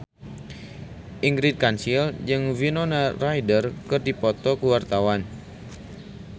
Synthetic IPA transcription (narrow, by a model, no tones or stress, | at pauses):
ʔiŋɡɾid̚kansild͡ʒɨŋvinonarajdərkɨrdipɔt̪ɔkəwart̪awan